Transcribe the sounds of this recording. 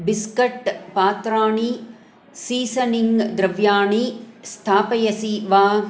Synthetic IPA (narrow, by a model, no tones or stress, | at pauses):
biskɐʈpaːt̪ɾaːɳi | siːsɐniŋɡd̪ɾɐʋjaːɳist̪ʰaːpɐjɐsiʋaː